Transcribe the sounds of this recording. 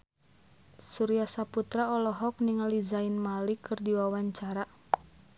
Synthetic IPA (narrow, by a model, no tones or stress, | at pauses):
suɾiasaput̪ɾaɔlɔɦɔk̚niŋalizainmalikʰɨrdiwawaɲt͡ʃaɾa